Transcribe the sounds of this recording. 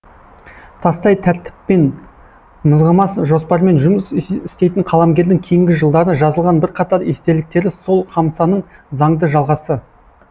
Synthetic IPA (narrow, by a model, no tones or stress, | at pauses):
t̪ʰɑst̪ɑjt̪ʰæɾt̪ɪ̥pːe̞n | məzʁəmɑsʒo̞spɑɾme̞nʒʊmɪsɪst̪e̞jt̪ɪɴqʰɑlˠɑmɡʲe̞ɾd̪ɪŋkʲʰe̞jɪŋɡʲɪʒəlˠd̪ɑɾəʒɑzəlˠʁɑnbɪɾqʰɑt̪ɑɾest̪e̞ɾlɪk̚t̪e̞ɾɪso̞lˠqʰɑmsɑnəɴzɑɴd̪əʒɑlˠʁɑsə